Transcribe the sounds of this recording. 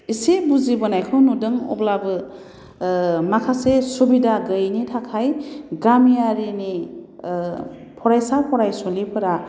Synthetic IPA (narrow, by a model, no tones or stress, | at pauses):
isibuzibɯnajkʰɯnudɯŋɔ̰blabɯ | makʰasesubidaɡɯjnitʰakʰajɡɾamijaɾini | pʰɔɾajsakɔɾajsɔlipʰɯɾa